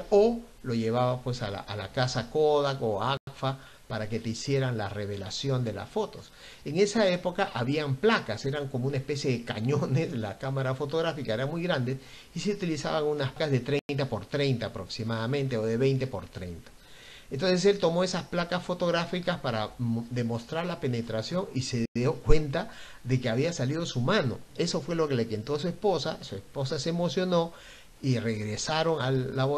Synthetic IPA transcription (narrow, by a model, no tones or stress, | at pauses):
o | lo̞ʝe̞β̞aβapwe̞sala̰ala̰kasakoðakoafa | paɾake̞t̪e̞isje̞ɾanlare̞βe̞lasjo̞nd̪e̞la̰sfo̞t̪o̞s | eŋe̞sae̞po̞kaʔaβiamplakase̞ɾaŋko̞mounae̞spe̞sje̞ðe̞kaɲo̞ne̞slakamaɾafo̞t̪o̞ɣɾafikaeɾaŋmujɣɾand̪e̞s | iseut̪ilisa̰βaŋunaspkazðe̞t̪ɾe̞jnt̪̬apo̞ɾt̪ɾe̞jnt̪aːpɾo̞ksimaðamẽnt̪eoðe̞βe̞jnt̪e̞po̞ɾt̪ɾḛjnt̪ḁ | ent̪o̞ns̬e̞s̬elt̪o̞mo̞e̞sasplakasfo̞t̪o̞ɣɾafikaspaɾad̪e̞mo̞st̪ɾaɾlape̞ne̞t̪ɾasjo̞ŋise̞ðjo̞kwe̞nt̪a | ðe̞keaβiasalið̞osumano̞̰e̞so̞fwe̞lo̞kelekent̪os̬ue̞spo̞sasue̞spo̞sasemo̞sjo̞no̞ | ire̞ɣɾesaɾo̞ŋalːaβo